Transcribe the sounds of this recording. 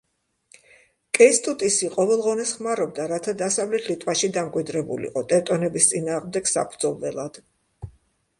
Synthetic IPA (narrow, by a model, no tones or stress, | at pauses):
kʼɛst̪ʼut̪ʼisiqʼɔvɛlˠʁɔnɛsχmaɾɔb̚d̪aɾat̪ʰad̪asavlɛt̪ʰlit̪ʼwaʃid̪amkʼwid̪ɾɛbṵlḭqʼɔt̪ʼɛt̪ʼɔnɛbist̪sʼinaːʁmd̪ɛɡ̥sa̰pʰd̪zɔvɛlˠad̪̥